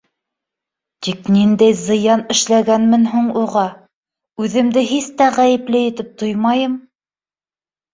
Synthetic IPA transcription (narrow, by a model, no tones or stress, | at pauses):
t̪iknind̪æjzɤ̆jɑnɘ̆ʃlæɡænmɘnɦuɴuʁɑ | ʉðɘ̆md̪ɘɦist̪æʁæjɘ̆plɘjɘ̆t̪ɘp̚t̪ojmɑjɤm